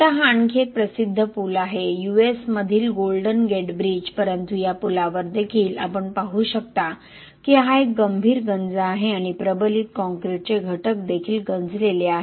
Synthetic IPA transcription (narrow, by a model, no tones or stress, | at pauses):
t̪aɦaaɳkʰepɾəsid̪ʱːəpulaɦejuesməd̪ʱiːlɡolɖənɡeɖbɾid͡ʑpəɾənt̪ujapulaʋəɾd̪ekʰiːla̰pəɳpaɦuːɕək̚t̪a | kiɦaek̚ɡəmbʱiːɾɡənd͡zaɦeaɽ̃ipɾəbəliːt̪̚kɔ̃ŋkɾeʈ̚t͡seɡʱəʈək̚d̪ekʰiːlɡənd͡zleleaɦe